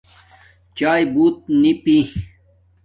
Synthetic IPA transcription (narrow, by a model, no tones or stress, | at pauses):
t͡ɕaːjbuːt̪̚nipi